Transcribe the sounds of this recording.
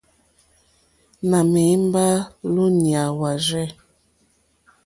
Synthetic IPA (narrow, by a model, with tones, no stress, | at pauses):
na˨me˨˦m˦ba˦lu˦ni˨a˨wa˨ʒɛ˦